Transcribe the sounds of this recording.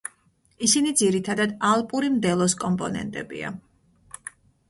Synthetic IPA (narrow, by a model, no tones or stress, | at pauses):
isinid̪ziɾit̪ʰad̪ad̪alˠpʼuɾimd̪ɛlˠɔskʼɔmpʼɔnɛ̰nt̪ʼɛ̰bḭa̰